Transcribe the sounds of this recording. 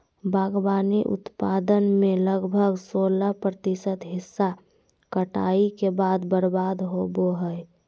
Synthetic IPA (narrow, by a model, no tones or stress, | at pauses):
bʱaɡbaniʔʊ̰t̪pad̪ənmeləɡbʱəɡsolapɾət̪isət̪ɦɪsːa | kəʈa̰ikebad̪bəɾbad̪ɦoboɦəj